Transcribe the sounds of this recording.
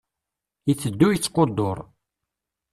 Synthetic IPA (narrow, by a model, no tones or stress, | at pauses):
jət͡sːəd̪ːujət͡sːqːod̪ːoɾˤ